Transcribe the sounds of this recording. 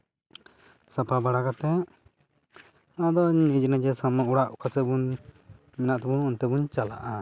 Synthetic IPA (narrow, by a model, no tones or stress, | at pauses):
sapabaɽakat̪ɛ | ad̪ɔɲid͡ʒnad͡ʒɛsamauɽaʔukasɛbun | mɛnaʔt̪ɛbuːnt̪ɛbuɲt͡ʃala̰ʔa